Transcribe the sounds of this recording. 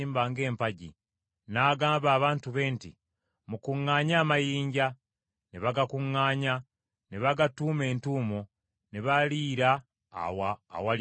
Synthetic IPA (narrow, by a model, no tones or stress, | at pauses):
iːmbaːŋɡe̞ːmpaɟḭ | naːɡaːmbaːβaːntuβe̞ːntḭ | mukuŋːaːɲaːmajiːɲɟa | neβaɡakuŋːaːɲa | neβaɡatuːme̞ːntuːmo | neβaliːɾa̰ | wa̰ːwa